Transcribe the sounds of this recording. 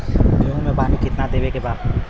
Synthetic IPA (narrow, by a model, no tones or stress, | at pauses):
d̪eːɦũmẽpaːnikɪt̪nad̪eːʋekebaːd̪